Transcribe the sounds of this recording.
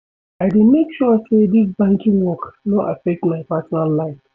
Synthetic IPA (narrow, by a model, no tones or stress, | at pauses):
aɪdemekʃɔsedisbãŋkĩŋwɔknɔʔafɛk̚tmaɪpasɔnalːaɪf